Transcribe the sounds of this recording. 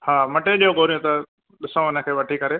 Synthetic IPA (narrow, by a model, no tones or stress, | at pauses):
haːmɐʈeɗiːɦõɡoːɾijũt̪ɐ | ɗɪsãɪnə̆kʰeːʋɐʈʰikɐɾeː